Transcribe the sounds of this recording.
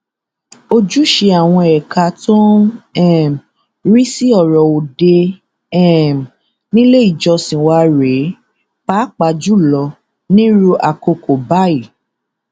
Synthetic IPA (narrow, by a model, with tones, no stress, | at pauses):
o˧d͡ʒu˦ʃe˧a˨w̃ɔ̃˧ɛ˨ka˧˦tɔ̃˦ɛ˦˨m˨ | ɾi˦si˦ɔ˦˨ɾɔ˨o˨de˧ | ɛ˦˨m˨ | nĩ˦le˦i˦˨d͡ʒɔ˧sĩ˨wa˧˦ɾe˨˦ | k͡pa˦k͡pa˧d͡ʒu˦lɔ˧ | nĩ˦ɾu˦ʔa˨ko˧ko˨ba˦i˦˨